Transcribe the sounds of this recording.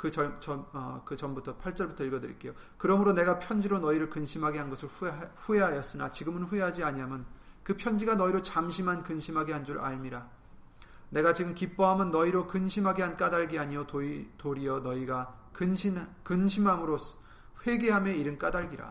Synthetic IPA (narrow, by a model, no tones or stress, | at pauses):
kɯt͡ɕʌt͡ɕʌʌkɯt͡ɕʌmbutʰʌpʰaɭt͡ɕ͈ʌɭbutʰʌiɭɡʌdɯɾḭk͈e̞jo | kɯɾʌmɯɾone̞ɡapʰjʌnd͡ʑiɾonʌiɾɯɭkɯnɕʰimɦaɡeɦanɡʌsʰɯɭɸue̞ɦajʌs͈ɯnat͡ɕiɡɯmɯnɸueɦad͡ʑiaɲiɦamjʌn | kɯpʰjʌnd͡ʑiɡanʌiɾot͡ɕamɕʰimɦankɯnɕʰimɦaɡeɦand͡ʑuɾa̰ɭmiɾa | ne̞ɡat͡ɕiɡɯmkip͈ʌɦamɯnːʌiɾokɯnɕʰimɦaɡeɦank͈adaɭɡiaɲiotoitoɾiʌnʌiɡa | kɯnɕʰinkɯnɕʰimɦamɯɾos | ɸwe̞ɡe̞ɦameiɾɯnk͈adaɭɡiɾa̰